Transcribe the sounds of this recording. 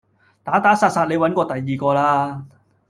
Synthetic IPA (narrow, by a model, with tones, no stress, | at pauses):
t̪aː˨˥t̪aː˨˥saː˧t̚saː˧t̚le˨˧jwɐ˨˥nkʷɔː˧t̪ɐ˨jːiː˨kɔː˧laː˧˥